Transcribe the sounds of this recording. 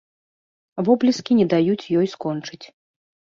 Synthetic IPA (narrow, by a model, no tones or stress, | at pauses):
vɔblʲiskʲinʲɛd̪ajut͡sʲjɔjskɔnt͡ʂɨt͡sʲ